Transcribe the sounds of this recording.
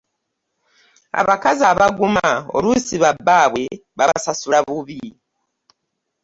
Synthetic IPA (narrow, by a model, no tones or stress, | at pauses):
a̰βakazaβaɡumao̰ɾusiβabaːβwe̞βaβsasuɾaβuβi